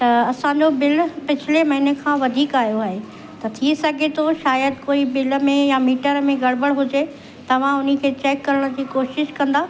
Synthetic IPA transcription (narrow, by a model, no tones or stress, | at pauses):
t̪ɐɐsãɲd͡ʑobɪlpɪt͡ɕʰɪlemɐɦɪnekʰãːʋɐd̪ʱiːkaːɦjoaːɦe | t̪ɐt̪ʰisɐɡʱet̪ʰoʃaːjəd̪̚koːibɪləmẽjamiːʈəɾmẽɡɐɽbəɽɦʊd͡ʑe | t̪ɐʋ̤ãʊnə̆kʰeːt͡ɕɛːkːɐɾəɽ̃ə̆d͡ʑiːkoːʃɪʃkɐ̃nd̪aː